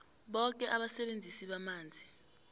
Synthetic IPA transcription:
ɓɔk̬ʼɛʔaɓasɛɓend͡zʱisiɓamaːnd͡zʱi

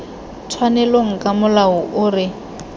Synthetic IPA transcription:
tʰwanɛloŋ̩kʼamʊlaʊʔʊːrɪ

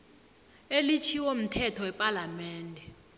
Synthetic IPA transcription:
elit͡ʃʰiwom̩tʰɛtʰɔwɛpʼalamɛːndʱɛ

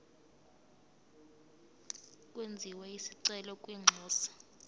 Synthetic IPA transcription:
kʼwend͡zʱiwɛisiǀɛlɔkʼwiːŋ͡ǁʱɔːsḁ

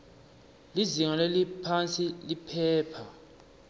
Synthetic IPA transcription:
liziŋalelipʰant͡sʼilipʰɛːpʰa

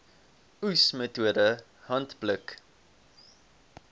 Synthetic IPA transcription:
usmətuədə | hɐntblək

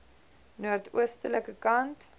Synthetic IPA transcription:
nuərtʰuəstələkəkɐnt

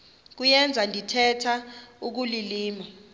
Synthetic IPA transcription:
k̬ujɛnd͡zʱandʱitʰɛtʰauk̬uliliːma

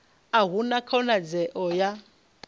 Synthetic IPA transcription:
aɦunakʰɔnad͡zɛʔɔja

